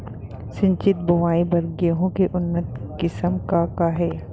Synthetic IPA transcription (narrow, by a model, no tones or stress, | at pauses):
sɪ̃ɲt͡ʃɪt̪̚bʊʋaːibɐɾɡeɦõkeʔʊnːət̪kɪsəmkakaɦɛː